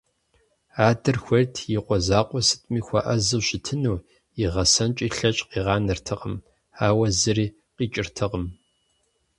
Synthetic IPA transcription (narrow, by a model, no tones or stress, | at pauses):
aːdɨrxʷɐrtʰjiqʷɔzaːqʷɔsɨ̥tʼmiːxʷɐ̰ʔɐzɨɕɪtʰɨnuː | iʁɐsɐnt͡ʃʼiːɬɐt͡ʃʼqiːʁɑːnɨrtʰɨqəm | aːwɐzɨriː | qiːt͡ʃʼɪrtʰɨqəm